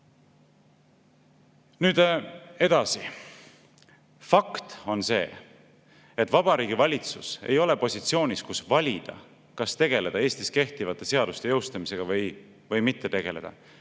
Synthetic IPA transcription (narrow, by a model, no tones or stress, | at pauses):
nyːd̪̥e̞d̪̥ɑsi | fɑkt̪o̞nse̞ː | et̪ːˑvɑb̥ɑɾiːɡ̥ivɑlʲit̪susḛjo̞le̞po̞sʲit̪sio̞ːnʲiskusvɑlʲid̪̥ɑ̰ | kɑst̪e̞ɡ̥e̞le̞d̪̥ɑeːst̪iske̞ht̪ivɑt̪ːˑe̞se̞ɑd̪̥ust̪e̞jɤwst̪ɑmise̞ɡ̥ɑvɤj | vɤjmit̪ːe̞t̪e̞ɡ̥e̞le̞̰d̪̥ɑ̰